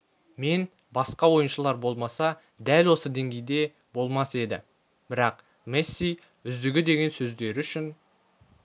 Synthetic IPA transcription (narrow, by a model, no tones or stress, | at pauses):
me̞n | bɑsqɑwo̞jənʃəlˠɑɾbo̞lˠmɑsɑ | d̪ælwo̞səd̪e̞ŋɡʲe̞jd̪e̞ | bo̞lˠmɑse̞d̪ɪ̰ | b̥ɪɾɑq | mesːij | ʏzd̪ɪɡʲɪd̪e̞ɡʲe̞nsɵzd̪e̞ɾɪʏʃɪn